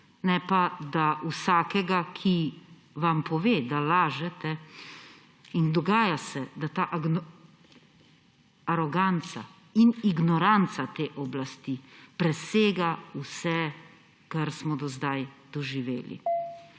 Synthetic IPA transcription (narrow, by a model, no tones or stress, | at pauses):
nɛpad̪aʔusaːkɛɡakʰi | ʋampʰɔʋeːd̪alaːʒɛt̪ɛ | ind̪ɔɡaːjasɛd̪at̪aːʔ | ɾɔɡant̪sa | iniɡnɔɾant̪sat̪eːʔɔblast̪ipɾɛseːɡausɛ | kaɾsmɔd̪ɔzd̪ajd̪̥ɔʒiʋḛːlḭ